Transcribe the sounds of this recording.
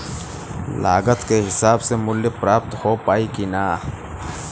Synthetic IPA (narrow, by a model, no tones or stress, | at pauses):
la̰ːɡət̪keɦɪsaːbsemʊlːipɾaːp̚t̪hoːpaːikinaː